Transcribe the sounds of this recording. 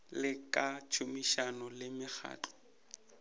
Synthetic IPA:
lɪkʼat͡ʃʰʊmiʃanʊlɪmɪk͡xʰa̰ːt͡ɬɔ̥

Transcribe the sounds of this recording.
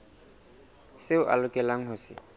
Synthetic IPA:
sɪʊʔa̰lʊkʼɛlaŋ̩ɦʊsɪ̰

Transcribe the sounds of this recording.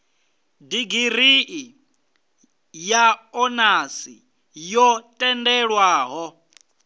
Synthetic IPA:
diɡiɾiʔi | jaɔnasḭ | jɔtʼɛndɛɺwaːɦɔ

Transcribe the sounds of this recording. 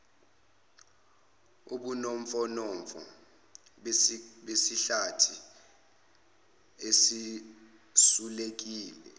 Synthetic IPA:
uɓunoɱ̩fɔnɔɱfɔ̰ | ɓesiɬatʰi | esi | sulek̬iːlɛ

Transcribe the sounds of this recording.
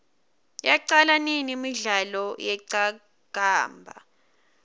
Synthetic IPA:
jaǀalaninimiɮalɔjɛǀa | ɡ̥ʱaːmbʱa̰

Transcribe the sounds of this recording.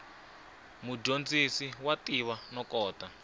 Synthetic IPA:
mud͡ʒond͡zisiwatiβanɔkɔːta

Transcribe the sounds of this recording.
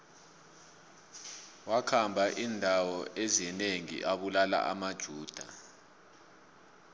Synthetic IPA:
wakʰambʱaʔindʱawɔʔezineŋḭʔaɓulala̰ʔa̰mad̥ʒ̥ʱuːd̥ʱa

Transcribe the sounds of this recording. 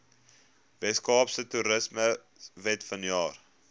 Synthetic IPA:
vɛtskɑːpsətuɾəsmə | vɛtfɐnjɑːr

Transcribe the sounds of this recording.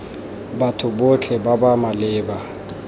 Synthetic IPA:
batʰʊbot͡ɬʰɛbabamalɪːba

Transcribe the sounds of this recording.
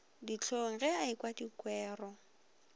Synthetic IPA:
dit͡ɬʰoŋ̩ɣɛaɪkwadikwɛːrɔ

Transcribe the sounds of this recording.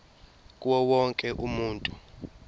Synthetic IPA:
k̬ʼwɔwɔŋkʼɛʔumuːntʼu

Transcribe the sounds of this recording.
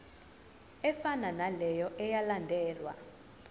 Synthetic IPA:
ɛfananalɛjɔʔɛjalandʱɛːlwa̰

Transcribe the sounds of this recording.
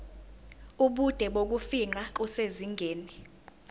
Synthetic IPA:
uɓud̥ʱɛɓok̬ufiŋ͡ǃakuseziŋʱeːni

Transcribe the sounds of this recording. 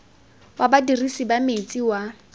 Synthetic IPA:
wabadirisibamet͡sʼiwa

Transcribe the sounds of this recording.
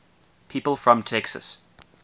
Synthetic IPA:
pʰiːˑpəlˠfɹə̃mtʰɛksə̰s

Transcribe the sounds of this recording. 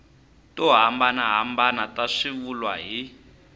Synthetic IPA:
tɔɦambanaɦambanataʂiβulwaɦi

